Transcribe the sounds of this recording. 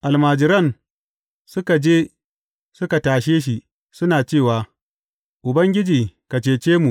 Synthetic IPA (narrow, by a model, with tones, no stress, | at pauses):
ʔa˨lmaː˨d͡ʒɪ˨ɾɐ˦n | sʊ˦ka˨d͡ʒeː˦ | sʊ˦ka˨taː˨ʃeː˦ʃ̬i˨ | sʊ˦naː˨t͡ʃeː˦˨waː˨ | ʔʊ˨bɐ˦ŋɡʲɪ˦d͡ʒiː˨ka˨t͡ʃeː˨t͡ʃeː˦mu˨ʔ